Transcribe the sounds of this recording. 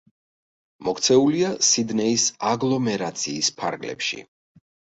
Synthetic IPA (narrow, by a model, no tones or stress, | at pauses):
mɔkʰt̪sʰɛuliasid̪nɛisaɡlˠɔmɛɾat̪sʰiːspʰaɾɡlɛ̰pʃḭ